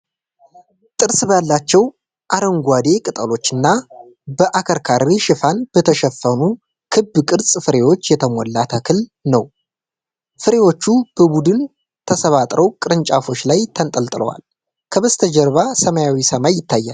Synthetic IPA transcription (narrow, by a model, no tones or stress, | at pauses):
t̪ʼɨɾsbəjalːat͡ʃːɛw | ʔaɾəŋɡʷad̪e̞kʼɨt̪ʼəlo̞t͡ʃːɨnːa | bəʔakʰəɾkʰaɾiʃɪfanb̥ət̪ʰəʃɛfənu | kʰɨbːkʼɨɾsʼfɨɾe̞wo̞t͡ʃːjɛt̪ʰəmolːat̪ʰəkʰɨlnəw | fɨɾe̞wo̞t͡ʃːub̥əbud̪ɨn | t̪ʰəsəβat̪ʼɾʔəwkʼɨɾɨnt͡ʃʼafo̞t͡ʃːlajt̪ʰənt̪ʼəlt̪ʼɨlə̰wa̰l | kʰəβəst̪ʰəd͡ʒɛɾβasəmajawisəmajːɪt̪ʰːajːa̰l